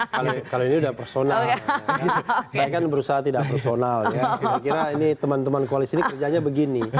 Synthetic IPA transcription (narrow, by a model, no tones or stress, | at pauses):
kalokaloiniudahpərsonal | sajakanbəɾusaɦat̪idaʔpərsonaljakiɾakiɾainit̪əmant̪əmankualisinikərd͡ʒaɲabəɡini